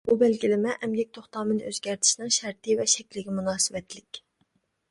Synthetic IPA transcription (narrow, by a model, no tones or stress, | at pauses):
bubɛlɡʲilɪmɛʔɛmɡʲɛk̚ʲt̪ʰoχt̪ɑːmɨd̪ɨʔøzɡʲæɾt̪ʰɪ̥ʃnɨŋʃæɾt̪ʰɪvɛʃɛkʲlɪɡʲimunɑːsɨvɛt̪lɪkʲ